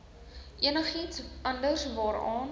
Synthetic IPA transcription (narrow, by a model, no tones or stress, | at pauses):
ʔiənəχitsʔɐndərsvɑːɾɑːn